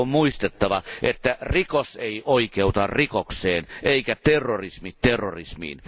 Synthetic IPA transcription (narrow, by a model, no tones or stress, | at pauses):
ommuist̪et̪ːɑʋɑʔet̪ːærikoseiʔoikeut̪ɑrrikokseːneikæt̪erːorismitt̪erːorismḭːn